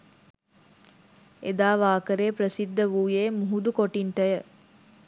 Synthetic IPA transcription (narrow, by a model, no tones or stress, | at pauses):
ed̪aːʋaːkəɾeːpɾəsid̪ːəʋuːjeːmuɦud̪ukoʈiɳʈəjə